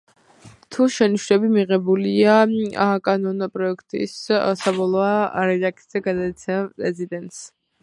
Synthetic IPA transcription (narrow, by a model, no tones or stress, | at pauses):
t̪ʰuʃɛniʃɾɛbimiʁɛbuliaakʼanɔnpʼɾɔɛkʰt̪ʼḭssabɔlˠɔaɾɛakʰʼiz̥ɛɡad̪ait̪sʰɛmpʼɾɛzid̪ɛnt̪ʼs